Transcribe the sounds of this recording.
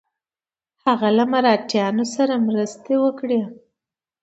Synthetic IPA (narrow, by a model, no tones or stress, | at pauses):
haɣalamaɾɑʈjɑnosaɾamɾəst̪ewəkɽe